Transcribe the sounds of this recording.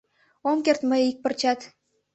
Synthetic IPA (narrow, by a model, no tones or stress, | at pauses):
omkert̪məjik̚pə̆rt͡ɕɑt̪